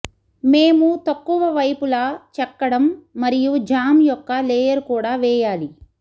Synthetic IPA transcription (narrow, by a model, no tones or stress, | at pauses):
meːmut̪ɐkːuʋɐʋɐjpulaːt͡ʃɛpːɐɽɐmːɐɾijud͡ʒaːmjɔkːɐlɛːjɐɾkuːɽaːʋɛːjaːli